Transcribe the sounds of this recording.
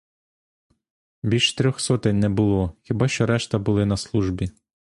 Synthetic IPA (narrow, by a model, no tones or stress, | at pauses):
bʲilʲʃt̪ɾʲɔxsɔt̪ɪnʲnɛbʊlˠɔxʲibɑʃt͡ʃɔɾɛʃt̪ɐbʊlˠɪnɐslˠuʒbʲi